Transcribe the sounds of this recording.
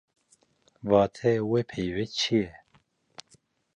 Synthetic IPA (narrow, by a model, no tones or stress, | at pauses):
vaːt̪ʰɛwepʰejwet͡ʃʰijɛ